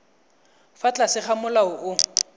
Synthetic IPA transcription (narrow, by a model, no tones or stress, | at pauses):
fat͡ɬʼasɪχamʊlaʊʔʊ